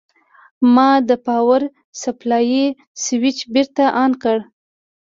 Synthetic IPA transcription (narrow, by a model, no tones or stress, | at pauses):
mɑd̪əpɑwaɾ | saplɑji | swit͡ʃbiɾt̪aʔɑnkəɽ